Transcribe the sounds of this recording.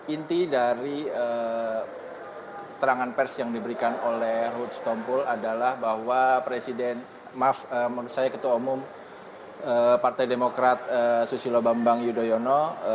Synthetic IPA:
int̪idaɾiə | kə̥t̪əɾaŋanpɛrsjaŋdibəɾikanolɛhrut̪st̪ɔmpuladalahbahwapɾesidɛn | mafəməɾusajakət̪uumum | əpart̪ajdemokɾat̪̚əsusilobambaŋjudojono

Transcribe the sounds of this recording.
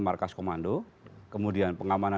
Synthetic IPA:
markaskomando | kəmudianpəŋamana

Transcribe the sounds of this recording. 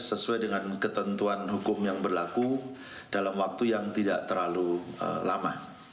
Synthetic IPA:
səsuajdəŋankət̪ənt̪uanɦukʊmjaŋbərlaku | d̥alamwak̚t̪ujaŋt̪idaʔt̪ərlaluə̰lama̰

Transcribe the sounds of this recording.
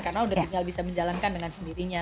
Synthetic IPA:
karnaudaiŋalbisaməɲd͡ʒalankandəŋansəndiɾiɲa

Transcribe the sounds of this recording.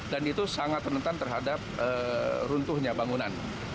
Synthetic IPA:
danit̪usaŋat̪̚ːənənt̪ant̪ərɦadap̚əɾunt̪ʊhɲabaŋunan

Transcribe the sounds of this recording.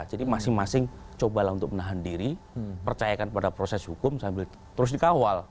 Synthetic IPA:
d͡ʒadimasɪŋmasɪŋt͡ʃobalaunt̪ʊk̚mənaɦandiɾipərt͡ʃajakanpadapɾosɛshukʊmsambɪl | t̪əɾʊs̬dikawal

